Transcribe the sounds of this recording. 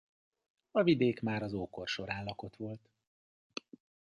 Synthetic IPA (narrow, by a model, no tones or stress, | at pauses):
ɒvid̪eːkmaːɾɒzoːko̞rʃo̞ɾaːnlɒko̞t̪ʋo̞lt̪